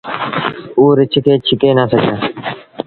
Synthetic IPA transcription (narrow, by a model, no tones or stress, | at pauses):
uːɾɪt͡ʃʰɪkeːt͡ʃʰɪkeːnaːsəd͡ʒaː